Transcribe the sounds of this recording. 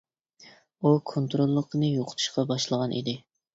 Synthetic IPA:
ukʰont̪ɾolˠːəqənɨjoqʰʊ̥t̪ʰu̥ʃqɑbɑʃlˠəʁɑnʔḭd̪ɪ

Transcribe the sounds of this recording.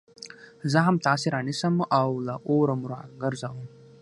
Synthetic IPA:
zəɦamt̪ɑːseɾɑnisəmawlaʔoɾəmɾa̰ɡəɾzawəm

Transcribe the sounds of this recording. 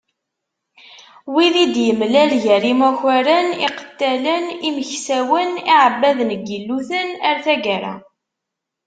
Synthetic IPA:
wiðid̪jəmlælʝəɾimæçæɾənḭqə̥t̪ːæləniməçsæwəniʕəbːæðnəɡːəlːuθənəɾθæɡæɾæ̰

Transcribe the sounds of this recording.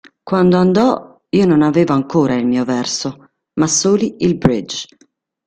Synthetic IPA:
kwand̪oand̪ɔ | iːononaveːvoaŋkoːɾailmiːovɛrso | masːoːliilbɾid͡ʒ

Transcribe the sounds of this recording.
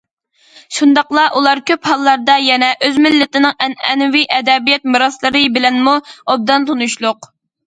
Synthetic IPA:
ʃund̪ɑqlˠɑʔulˠɑɾkʲøphɑlˠːɑɾd̪ɑjɛnɛʔøzmɪlːɪt̪ɪnɪŋɛnɛ̰nwiʔɛd̪ɛbijɛt̪̚mɨɾɑslˠɨɾɨbɪlɛnmuob̚d̪ɑnt̪ʰonuʃlˠʊq

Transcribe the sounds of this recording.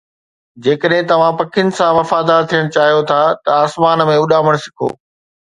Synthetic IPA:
d͡ʑeːkəɗɦɪ̃t̪ɐʋ̤ãpɐkʰɪənɪ̆sãʋɐfaːd̪aːɾt̪ʰijəɽ̃t͡ɕaːɦijot̪ʰaːt̪ɐaːsmaːnmẽʊɗaːməɽ̃sɪ̥kʰo̰ː

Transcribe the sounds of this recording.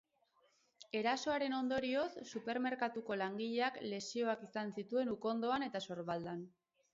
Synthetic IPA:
e̞ɾaso̞aɾe̞no̞nd̪o̞ɾio̞ssupe̞ɾme̞ɾkat̪uko̞laŋɡiʎe̞akle̞sio̞akisansit̪ue̞nuko̞nd̪o̞ane̞t̪aso̞ɾβald̪an

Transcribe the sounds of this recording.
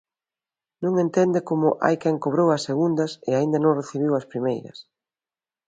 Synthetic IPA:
nõŋẽnt̪ɛnd̪ɪkomʊʔa̰jkɛŋkoβ̞ɾowɐsːeɣund̪ɐsɪaind̪ɐnõŋreθiβ̞iwɐspɾimejɾɐ̰s

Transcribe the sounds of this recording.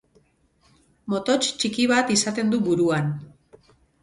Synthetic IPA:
mo̞t̪o̞t͡ʃt͡ʃikiβat̪isat̪e̞nd̪uβuɾuan

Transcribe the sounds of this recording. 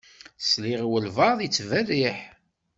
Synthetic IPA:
sliʁwəlvɑðˤjit͡sːvæliħ

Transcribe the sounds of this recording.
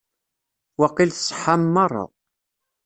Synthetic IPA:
wɑqːilθsˤħamːɑɾˤɑ̰

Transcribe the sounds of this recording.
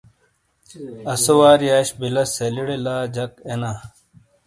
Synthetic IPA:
ɐsowaːɾjaːɕbilɐseliɽelaːd͡ʑɐkenaː

